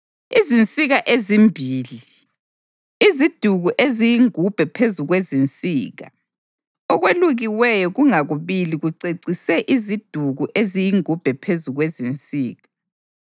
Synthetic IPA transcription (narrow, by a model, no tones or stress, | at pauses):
izint͡sʼiɣaʔezimbʱiːli | izid̥ʱuɣuʔezijiŋub̥ʱɛpʰezuɣwezint͡sʼiːɣa̰ | ɔɣweluɣiwɛjɔɣuŋaɣuβiliɣuǀeǀisɛʔizid̥ʱuɣuʔezijiŋub̥ʱɛpʰezuɣwezint͡sʼiːɣa